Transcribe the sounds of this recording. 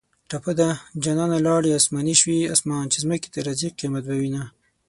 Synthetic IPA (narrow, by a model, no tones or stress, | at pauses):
ʈapəd̪ad͡ʒanɑnalɑɽiasmɑniʃwia̰smɑːnt͡ʃezməki̥t̪aɾaziqimat̪̚bawina